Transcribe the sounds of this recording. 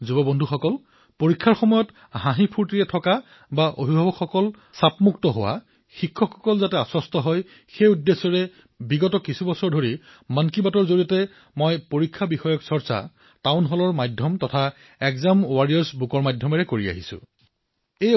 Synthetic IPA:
zubɔbondʱuxɔkɔl | poɹikʰːaɹxɔmɔjɔt | ɦãɦipʰuɹtiɹɛtʰɔka | baʔo̰bʱibʱabɔkxɔkɔl | sapmuktɔɦowa̰ | xikʰːɔkɔkɔlzatɛasɔstɔɦɔj | xejudːesɔɹɛ | biɡɔtɔkisubɔsɔɹdʱoɹi | mankibatɔɹzoɹiɔtɛ | mɔjpoɹikʰːabixɔjɔksɔɹsa̰ | taʊnɦɔlɔɹmajdʱjɔmtɔtʰa | ɛkzamwaɹijaɹsbukɔɹmajdʱjɔmɛɹɛkoɹia̰ɦisʊ̰̃ | e

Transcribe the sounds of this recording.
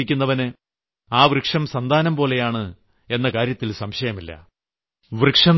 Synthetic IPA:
ikʲːunːɐʋɐnɨ | aːʋrɨkʂɐmsɐnd̪ʱaːnɐmpo̞ːle̞jaːɳɨ | e̞nːɐkaːɾjɐt̪ːilsɐmɕɐjɐmilːɐ̰ | ʋrɨkʂɐm

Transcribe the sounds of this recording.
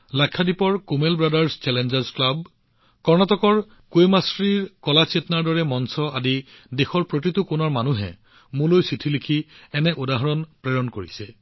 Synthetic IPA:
lakʰːadipɔɹkumelbɹadaɹst͡ʃɛlɛnd͡ʒaɹzklab | kɔɹnɔtɔkɔɹ | kwemasɹiɹkɔlasietnaɹdɔɹɛmɔnsɔʔadi | dexɔɹpɹotitukʊnɔɹmanuɦɛ̰ | mulojsitʰilikʰiɛnɛʔodaɦɔɹɔnpɹɛɹɔnkoɹisɛ

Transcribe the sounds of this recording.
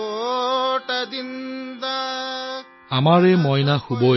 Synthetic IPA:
ʈad̪ind̪a | amaɹɛmɔjnaxubɔ

